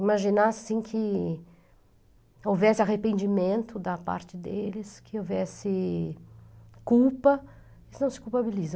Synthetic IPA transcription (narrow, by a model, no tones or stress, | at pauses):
imaʒinasĩkʰɪ | owvɛsɪaɦepẽnd͡ʒimẽnt̪ʊd̪ɐpa̰ɾt͡ʃɪd̪elɪskʰɪovɛsɪ | kuwpɐ | ɪsnɐ̃w̃sɪ̥kupabilizɐ